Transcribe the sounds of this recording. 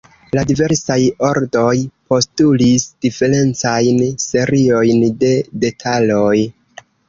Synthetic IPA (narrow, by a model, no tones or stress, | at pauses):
ladive̞ɾsajo̞ɾdo̞jpo̞stulisd̥ife̞ɾe̞nt͡sajnse̞ɾio̞jnde̞de̞tʰalo̞j